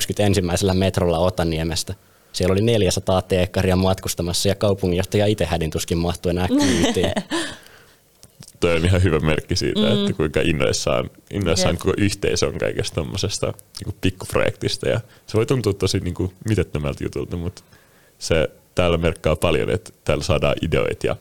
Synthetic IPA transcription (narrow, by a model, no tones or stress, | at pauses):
kskyt̪ensimːæiselːæmet̪rolːɑot̪ɑniemest̪æ | sielolineljæsɑt̪ɑːt̪eːkːɑriɑmɑt̪kust̪ɑmɑsːɑjɑkɑupuŋːijoht̪ɑjɑit̪ehædint̪uskimmɑht̪uenæːkːyt̪ːiː | t̪ojoniɦɑɦyʋæmerkːisḭːt̪æet̪ːækuiŋkɑʔinːo̰isːɑ̰ːnʔinːoisːɑːŋkokoʔyht̪eiso̰ŋkɑ̰ikest̪t̪omːosest̪ɑ̰niːŋkupikːupro̰jḛkt̪ist̪ɑjɑ̰ | seʋoit̪unt̪uːt̪ːuɑsit̪niːŋkumit̪et̪ːømælt̪jṵt̪ult̪ɑmut̪ | se | t̪æːlːæmerkːɑːpɑljo̰nḛt̪t̪æːlːsɑːdɑ̰ːʔideo̰it̪jɑ̰